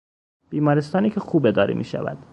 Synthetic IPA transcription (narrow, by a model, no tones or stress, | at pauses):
b̥iːmɒːɾest̪ɒːniːkʲʰexuːbed̪ɒːɾḭmḭːʃæ̰væ̰d̪̥